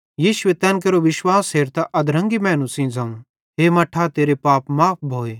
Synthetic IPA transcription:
jiːʃʊʋet̪ɛ̃ːnk̬eɾoʋɪʃwaːsɦeːɾt̪aʔɐd̪ɾɐ̃ŋɡimɛ̃ːnũsĩd͡zɐ̃ŋ | ɦeːmɐʈʰːat̪eːɾepaːpmaːp̚ʰbʱoːeː

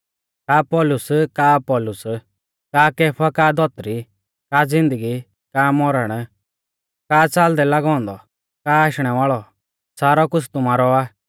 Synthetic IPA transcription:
kaːpɔːlʊskaːpɔːlʊs | kaːkɛːpʰakaːd̪ɔt̪ɾi | kaːd͡zɪ̃nd̪əɡi | kaːmɔɾəɽ̃ | kaːt͡saːld̪ɛlaɡɔ̃ːnd̪ɔ | kaːaːʃɽ̃ɛʋaːɭɔ | saːɾɔkʊt͡sʰt̪ʊmaːɾɔaː

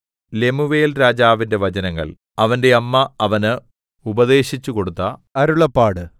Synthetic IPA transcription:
le̞muʋeːlɾaːd͡ʑaːʋinde̞ʋɐd͡ʑɐnɐŋːɐ̰ɭ | ɐʋɐnde̞ɐmːɐɐʋɐnɨ | ubɐðe̞ːɕit͡ɕːuko̞ɽut̪ːɐɐɾuɭɐpːaːɽɨ

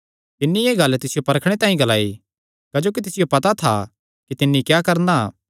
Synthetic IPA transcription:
t̪ɪnːieːɡɐlt̪ɪsɪjopɐɾəkʰɽ̃et̪ãːĩɡɐla̰ːi | kɐd͡ʒoːk̬it̪ɪsɪjopɐt̪at̪ʰa̰ | kit̪ɪnːikjaːkɐɾna̰

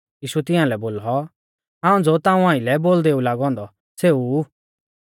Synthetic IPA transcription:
jiːʃut̪ɪ̃ãːlɛboːlɔ | ãːũd͡zot̪ãːũãːɪ̃lɛboːld̪eːulaːɡɔ̃ːnd̪ɔ | seːu

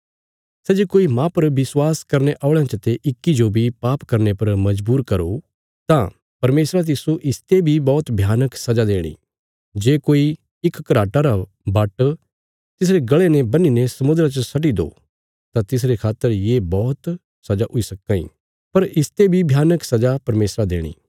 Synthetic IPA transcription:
sɛːd͡ʒekoːimãpɐɾʋɪswaːskɐɾneʔaːɭãt͡ʃət̪eʔɪkːid͡ʒobʱipaːpkɐɾnepɐɾmɐd͡ʒbuːɾkɐɾo | t̪ã | pɐɾmeːsɾat̪̬ɪsoʔɪst̪ebʱibɔːt̪bʱjaːnəksɐd͡ʒad̪eːɽ̃ḭː | d͡ʒeːkoːi | ɪkːɐɾaːʈaɾa | baʈ | t̪ɪs̬ɾeɡɐɭenebɐninesɐmʊd̪ɾat͡ʃəsɐʈ̬id̪o̰ | t̪ãt̪ɪs̬ɾekʰaːt̪ːəɾjeːbɔːt̪ | sɐd͡ʒaʔʊisɐkːãḭ | pɐɾɪst̪ebʱibʱjaːnəksɐd͡ʒapɐɾmeːsɾad̪eːɽ̃ḭː

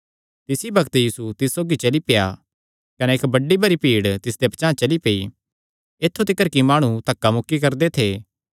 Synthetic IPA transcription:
t̪ɪsibɐkt̪jiːsut̪ɪsːoːɡit͡ʃɐlipeja̰ | kɐnɛeːkbɐɖːibɐɾipiːɽt̪ɪsd̪epɐt͡ʃãːt͡ʃɐlipei | eːt̪ʰːut̪ɪkəɾkimaːɽ̃ut̪ɐkːamʊkːikɐɾd̪et̪ʰeː

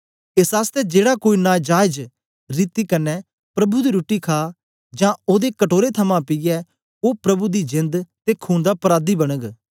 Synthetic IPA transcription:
ɪsaːst̪ɛːd͡ʒeːɽaːkoːiːnaːd͡ʒaːɪd͡ʒ | ɾiːt̪iːkənːɛː | pɾɐbud̪iːɾuːʈiːkʰaː | d͡ʒãːoːd̪eːkəʈoːɾet̪ʰəmãːpɪjɛː | oːpɾəbud̪iːd͡ʒɪ̃nd̪t̪eːkʰuːnd̪aːpəɾaːd̪iːbəɽ̃əɡ

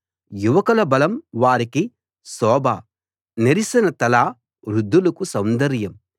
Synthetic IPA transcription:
juʋɐkɐlɐbɐlɐmʋaːɾiki | sɔːbʱaː | neɾisinɐt̪ɐlaː | ɾud̪ːulɐkusɐwnd̪ɐɾjɐm

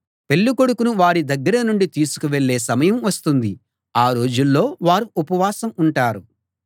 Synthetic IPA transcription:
pe̞ɭːuko̞ɽukunuʋaːɾid̪ɐɡːɐɾɐnuɳɖit̪iːsu̥kuʋe̞ɭːe̞ːsɐmɐjɐmʋɐst̪und̪i | aːɾo̞ːd͡ʒulːo̞ːʋaːɾuupɐʋaːsɐmuɳʈaːɾu

